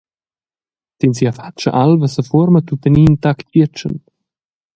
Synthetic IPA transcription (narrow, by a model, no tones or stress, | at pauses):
tinsiafat͡ʃə̰ʔalvasəfɔɾmət̪ut̪əniːnt̪aktvit͡ʃə̰n